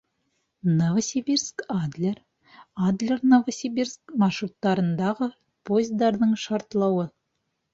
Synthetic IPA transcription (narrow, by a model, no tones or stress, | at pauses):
novɐsʲibʲirskɑd̪lʲer | ɑd̪lʲernovɐsʲibʲirskmɑʃrut̪ːɑɾɤ̆nd̪ɑʁə | pozʲd̪ɑrnɤɴʃɑrt̪lˠɑwə